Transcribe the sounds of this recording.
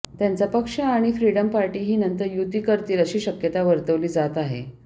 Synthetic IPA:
t̪jant͡sapəkʂəaɽ̃ifɾiɽəmpaɾʈiːɦiːnənt̪əɾjut̪iːkəɾt̪iːɾəɕiːɕəkjət̪aʋəɾt̪əʋliːd͡zat̪aɦḛ

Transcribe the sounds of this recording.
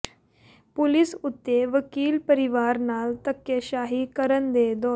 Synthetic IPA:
pulisut̪ːeʋəkiːlpəɾiʋaɾnalt̪əkːjəɕaɦiːkəɾənd̪ed̪ɔ

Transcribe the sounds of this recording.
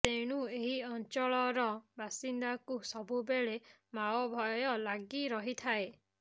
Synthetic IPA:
t̪eɽ̃ueɦiɔnt͡ʃɔɭɔɾɔbasind̪akusɔbubeɭe | mawɔbʱɔjɔlaɡiɾɔɦit̪ʰae

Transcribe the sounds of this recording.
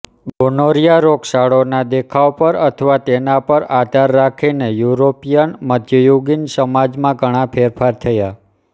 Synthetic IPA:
bɡonoɾijaɾoksaɭonad̪ekʰawpəɾət̪ʰəʋat̪enapəɾad̪ʱaɾːakʰinejuɾopijənməd̪ʱjəjuɡinsəmad͡ʒmãɡʱəɽ̃ãpʰeɾfʰaɾt̪ʰəja

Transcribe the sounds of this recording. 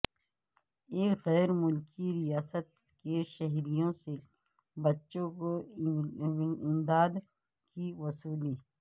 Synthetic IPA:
eːkɣɛːɾmʊlkiɾijaːsət̪ | keʃɐɦɾijõse | bɐtːʃõko | ɪmd̪aːd̪ | kiwɐsuːliː

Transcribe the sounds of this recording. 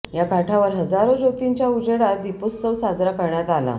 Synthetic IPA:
jakaʈʰaʋəɾɦəd͡zaɾod͡ʑot̪iɲt͡ɕjaud͡ʑəɽad̪iposːəʋsad͡zɾakəɾɳjat̪ala̰

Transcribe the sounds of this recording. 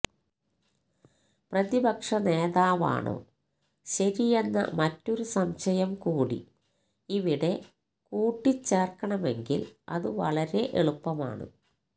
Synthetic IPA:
prɐðibɐkʂɐne̞ːðaːʋa̰ːɳo̰ː | ɕɐɾije̞nːɐ̰mɐtːo̞ɾusɐmɕɐjɐmkuːɽḭ | iʋiɽe̞ | kuːʈːit͡ɕːeːrkɐɳɐme̞ŋɡḭlɐ̰ðɨʋɐ̰ɭɐɾe̞ʔeɭupːɐma̰ːɳɨ̰

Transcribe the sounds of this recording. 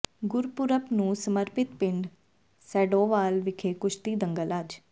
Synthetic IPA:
ɡʊɾpʊɾəpnũːsəməɾpɪt̪pɪɳɖ | sɛːɖoːʋaːlʋɪkʰeːkʊt͡ʃʰt̪iːd̪əŋɡəlad͡ʒ

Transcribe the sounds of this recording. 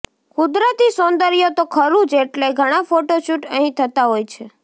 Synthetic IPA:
kʊd̪ɾət̪isond̪əɾijot̪okʰəɾũd͡ʒeʈleɡʱəɽ̃afoʈoʃuʈəɦĩt̪ʰət̪aɦojt͡ʃʰe

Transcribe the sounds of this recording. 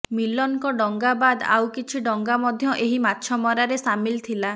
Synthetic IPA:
milɔnkɔɖɔŋɡabad̪a̰wkit͡ʃʰiɖɔŋɡamɔd̪ʱjɔʔeɦimatːʃʰɔmɔɾaɾesamilt̪ʰila

